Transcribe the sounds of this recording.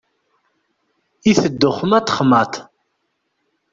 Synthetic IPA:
iθəd̪ːʊχəmæt̪ːə̥χmæt̪

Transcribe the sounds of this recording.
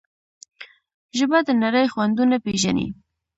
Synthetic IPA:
ʒəbad̪ənaɾəjxwand̪unapeʒanḭ

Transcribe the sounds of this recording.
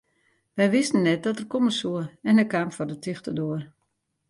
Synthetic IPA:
ʋɛjʋɪstən̩ːɛt̚dɔtərkoməsuəɛnəkamfɔrdətʰɪxtədoər

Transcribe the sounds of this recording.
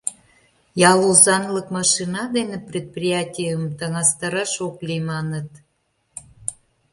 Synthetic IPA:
jɑlˠuzɑnləkmɑʃinɑd̪eneprʲet̪̚prʲijɑtʲijəmt̪əŋɑst̪əɾəʃoklimɑnət̪

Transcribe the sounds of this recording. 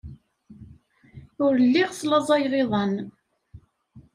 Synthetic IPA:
ʊɾlːiʁslɑzˤɑjʁeðˤɑn

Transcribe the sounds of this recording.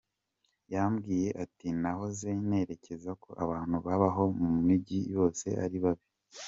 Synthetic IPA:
jamɡiːje̞ʔatinaɦo̞zene̞ɾe̞ce̞zako̞ʔaβaːn̥uβaβaɦo̞mumiɟijo̞ːse̞̰ʔa̰ɾiβaβi

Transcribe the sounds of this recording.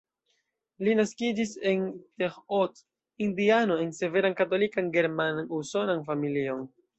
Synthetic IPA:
linaskid͡ʒise̞ntexot | indiano̞e̞nse̞ve̞ɾankato̞likanɡe̞ɾmanuso̞nanfamilio̞n

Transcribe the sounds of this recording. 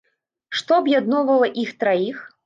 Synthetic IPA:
ʂt̪ɔɐbjad̪nɔvɐlˠɐʔixt̪ɾajix

